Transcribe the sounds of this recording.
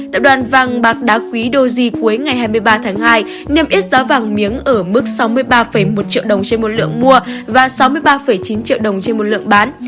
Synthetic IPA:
t̪aː˧˨p̚ɗwaː˨˩nva˨˩ŋɓaː˨˩k̚ɗaː˨˦˥kwi˨˦ɗo˧zi˧ku˨˦əjŋa˨˩jhɦaː˧jmɨ˧jɓaː˧t̪ʰaː˨˦ŋhaː˧j | nɛ˧əmʔi˦˥ət̚zaː˨˦va˨˩ŋmi˨˦əŋʔəː˧˩mɨ˦˥k̚sa˨˦wmɨ˧əjɓaː˧fə˧˩jmo˨˩t̚t͡ɕḭ˧˨wɗə˨˩wŋ͡mt͡ɕe˧nmo˨˩t̚lɨ̰˧˨əŋmu˧əvaː˨˩sa˨˦wmɨ˧əjɓaː˧fə˧˩jt͡ɕi˨˦nt͡ɕḭ˧˨əwɗə˨˩wŋ͡mt͡ɕe˧nmo˨˩t̚lɨ̰˧əŋɓaː˨˦n

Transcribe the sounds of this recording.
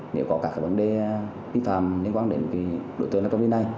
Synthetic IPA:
nḛ˧˨wkɔ˨˦kaː˧˩k̚aː˧˩və˨˧˦nɗe˧ | fi˨˧˥faː˧˨mli˧˦ŋkwaː˧nɗe˨˦n˨˩ki˨˦ɗo̰˧˨t̪əː˧naː˨˧˩kːi˨˦na˧˩j

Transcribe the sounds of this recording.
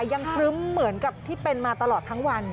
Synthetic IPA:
ja˧ŋkʰɾɯ˦˥mːɯ˩˦ənka˨˩p̚t̪ʰiː˥˩pe˧nmaː˧t̪a˧lɔː˨˩t̪ʰːa˦˥ŋwa˧n

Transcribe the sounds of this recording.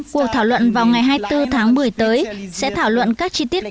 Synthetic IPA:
ku˨˩ək̚t̪ʰaː˧˩wlwə̰˧˨nvaː˨˩wŋa˨˩jɦaː˧jt̪ɨ˧t̪ʰaː˨˦ŋmɨ˨˩əjt̪əː˨˦jsɛ̰˧˥t̪ʰaː˧˩wlwə̰˧˨nkaː˦˥k̚t͡ɕi˧t̪i˦˥ət̚

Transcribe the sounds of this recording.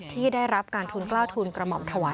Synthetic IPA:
t̪ʰiː˥˩daː˥˩jɾa˦˥p̚kaː˧nt̪ʰuː˧nklaː˥˩t̪ʰuː˧nkɾa˧mɔ˨˩˦mt̪ʰa˧waː˨˦

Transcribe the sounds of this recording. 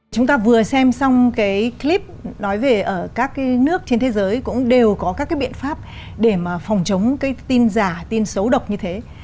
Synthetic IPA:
t͡ɕʊ˨˦ŋ͡mt̪aː˧vɨ˨˩əsɛ˧msɔ˧wŋ͡mkaː˨˦jkli˦˥p̚nɔ˨˦jve˨˩ʔəː˧˩kaː˦˥k̚ːaː˨˦jnɨ˦˥ək̚t͡ɕe˧nt̪ʰe˨˦zəː˨˦jkʊ̰˧˥ŋ͡mɗe˨˩wkɔ˨˦kaː˦˥kːaː˨jɓḭ˧˨ənfaː˦˥p̚ | ɗe˧˩maː˨˩fɔ˨˩wŋ͡mt͡ɕə˨˦wŋ͡mkaː˨˦jt̪i˧nzaː˧˩t̪i˧nsə˨˦wɗə˨˩wk͡p̚ɲɨ˧t̪ʰe˨˦

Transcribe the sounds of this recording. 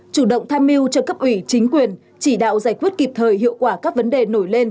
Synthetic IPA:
t͡ɕu˧˩ɗə̰˧˨wŋ͡mt̪ʰaː˧mːi˧əwt͡ɕɔ˧kə˦˥p̚ʔwi˧˩t͡ɕï˨˦ŋ̟kwi˨˩ən | t͡ɕi˧˩ɗa̰ː˧˨wzaː˧˩jkwi˦˥ət̚ki˨˩p̚t̪ʰəː˨˩jɦḭ˧˨əwkwaː˧˩kaː˦˥k̚və˨˦nɗe˨˩no˧˩jle˧n

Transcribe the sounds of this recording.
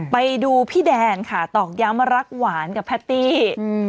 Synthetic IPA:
pa˧jduː˧pʰiː˥˩dɛː˧nkʰa˥˩t̪ɔː˨˩k̚ja˦˥mɾa˦˥k̚waː˩˦nka˨˩pʰːɛ˦˥t̪ːiː˥˩

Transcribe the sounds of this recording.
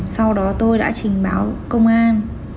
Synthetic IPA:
sa˧wɗɔ˨˦t̪o˧jɗa̰ː˧˥t͡ɕï˨˩ŋ̟ɓaː˨˦wkə˧wŋ͡mʔaː˧n

